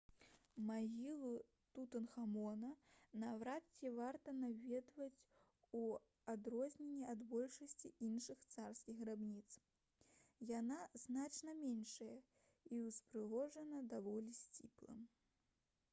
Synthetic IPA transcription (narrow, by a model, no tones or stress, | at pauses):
maɣʲilˠu | t̪ut̪ɐnxamɔnɐnavɾatt͡sʲːivart̪ɐnavʲɛd̪vɐt͡sʲ | u | ad̪ɾɔzʲnʲenʲːiad̪bɔlʲʂɐsʲt͡sʲiinʂɨxt̪sarskʲiɣrabnʲit̪s | janaznat͡ʂnɐmʲɛnʂɐjɐ | iwspɾɨɣɔʐɐnɐd̪avɔlʲisʲt͡sʲiplˠɐ̰